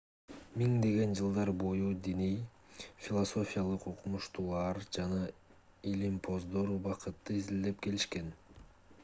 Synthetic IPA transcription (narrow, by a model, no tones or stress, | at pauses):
miŋd̪e̞ɡe̞nd͡ʒɯlˠd̪ɑɾbo̞jud̪inij | fʲilˠoso̞fʲijalˠɯqoqumuʃt̪ulˠɑɾd͡ʒɑnɑ | ilimpʰo̞zd̪o̞ɾbɑqɯt̪ːɯizild̪e̞pke̞liʃke̞n